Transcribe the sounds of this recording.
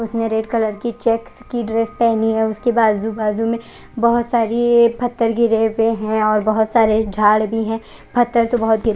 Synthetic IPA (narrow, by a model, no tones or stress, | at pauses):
ʊsnẽɾeːɖkɐləɾkit͡ʃɛːkskiɖɾeːspɛɦniɦɛʊskebaːd̪zubaːzũmẽ | bɐɦʊt̪saːɾipʰɐt̪ːəɾɡɪɾeweɦɛ̃ɔːɾbɐɦʊt̪saːɾed͡ʒʱaːɽbʱiɦɛ̃ | pʰɐt̪ːəɾt̪obɐɦʊt̪̚ɡɪɾ